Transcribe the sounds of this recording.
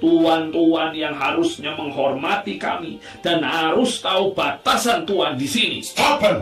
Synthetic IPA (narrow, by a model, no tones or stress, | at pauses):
t̪uant̪uanjaŋɦaɾʊsɲaməŋɦɔrmat̪ika̰mi | d̥anhaɾʊst̪aub̥at̪asant̪uandisinḭaba